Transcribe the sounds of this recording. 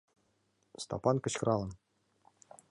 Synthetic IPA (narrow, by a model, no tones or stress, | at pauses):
st̪a̰pɑnkə̆t͡ɕkɾʔɑlˠɤ̆n